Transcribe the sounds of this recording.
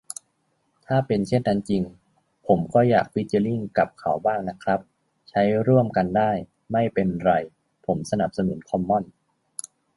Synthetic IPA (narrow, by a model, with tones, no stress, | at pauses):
t̪ʰaː˥˩pe˧nt͡ɕʰe˥˩nt̪ʰa˧nt͡ɕi˧ŋ | pʰo˩˦mkʰɔː˧˩jːa̰ː˨˩k̚pi˦˥t̪̚t͡ɕa˧li˥˩ŋka˨˩p̚kʰa˨˩˦wbaː˥˩ŋna˦˥kʰɾa˦˥p̚ | t͡ɕʰa˦˥jɾu˥˩əmka˧ndaː˥˩j | ma˥˩jpe˧nɾa˧j | pʰo˩˦msa˧na˨˩p̚sa˧nu˩˦nkʰɔ˧mːɔ˥˩n